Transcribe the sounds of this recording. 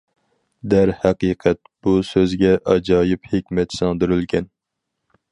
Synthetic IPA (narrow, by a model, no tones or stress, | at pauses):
d̪æɾhæqiːqʰɛt̪̚b̥usøzɡʲɛʔɑd͡ʒɑːjɨphekʲmɛt̪sɑŋd̪yɾylɡʲɛn